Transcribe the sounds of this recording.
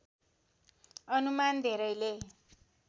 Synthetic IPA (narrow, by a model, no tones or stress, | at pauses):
ʌnumand̪ʱeɾʌjle